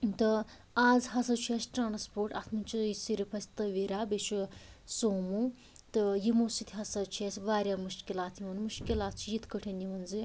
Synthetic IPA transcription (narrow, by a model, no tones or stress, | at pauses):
t̪ɨ | aːzɦɐsɐt͡ʃʰesʈɾaːnspoːɾʈɐ̰t̪ʰmɐnʲt͡ʃʰiisiɾipʰɐsʲt̪ɐʋiɾaːbeʃusoːmu | t̪ɨjimoːsit̪ʰiɦɐsɐt͡ʃʰiesʲʋaːɾjaːmuʃkilaːt̪ʰjiʋɐnmuʃkilaːt̪̚t͡ʃʰijit̪ʰkəʈʰeniʋɐnzɨ